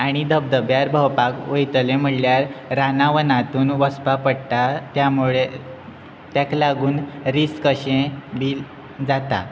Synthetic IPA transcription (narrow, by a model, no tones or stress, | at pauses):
aɽ̃id̪əb̚d̪əbjaɾbʱəwpakʋəjt̪əlẽm̤əɽljaɾɾanaʋənat̪uːnʋəspapəɽt̪at̪jamuɭe | t̪jaklaɡuːnɾiskəɕẽbiːl | d͡zat̪a̰